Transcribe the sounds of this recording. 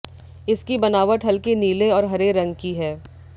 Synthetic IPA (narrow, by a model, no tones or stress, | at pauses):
ɪskibɐnaːʋəʈɦɐlkeniːleɔːɾɦɐɾeɾɐ̃ŋɡkiɦɛː